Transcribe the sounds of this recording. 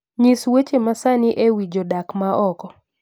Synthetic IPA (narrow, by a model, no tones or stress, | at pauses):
ɲiswet͡ʃemasaniʔewid͡ʒɔdakmaʔɔkɔ